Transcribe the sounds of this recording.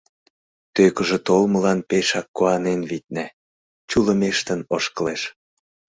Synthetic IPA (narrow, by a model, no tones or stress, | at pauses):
t̪økə̆ʒĕt̪olməlɑnpeʃɑkːoɑnenβit̪̚næ | t͡ɕulə̆meʃt̪ənoʃkəleʃ